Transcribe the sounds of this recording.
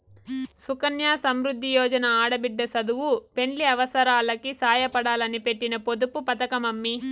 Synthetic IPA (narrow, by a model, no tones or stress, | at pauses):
sukɐnjaːsɐmɾud̪ʱːijɔːd͡ʒɐnɐaːɽɐbiɖːɐsɐd̪uwupe̞ɳliɐʋɐsɐɾaːlɐkisaːjɐpɐɽaːlɐnipe̞ʈːinɐpod̪upupɐt̪ɐkɐmɐmːi